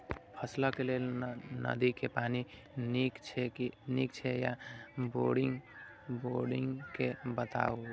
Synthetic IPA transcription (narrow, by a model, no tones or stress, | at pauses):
pʰəslakelelnə̰d̪ikepani | nikt͡ʃʰɛnikt͡ʃʰɛja̰boɽiŋɡ | boɖiŋɡkebət̪a̰o